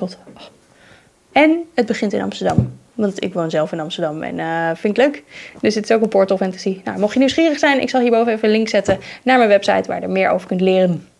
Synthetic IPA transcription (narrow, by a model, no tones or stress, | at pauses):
t | ɛnəd̚bəχɪntɪnɑ̰mstəɹdɑm | ʋɑntɪ̰kʋownzɛlˠfɪnɑmstəɹdɑmɛ̰nfɪnkətløɥkdɵsətɪsowkənpɔɹtəlˠfɛntazina̰wmɔχjəniwsχiːrəχsɛjnɪ̰ksɑlˠɦiːɹbowvənejfəəlɪŋksɛtənaːɹmənʋɛpsɑ̰jtʋaːɹjədə̰ɹmɪːɹʔo̰wvəɹkɵntlɪːrən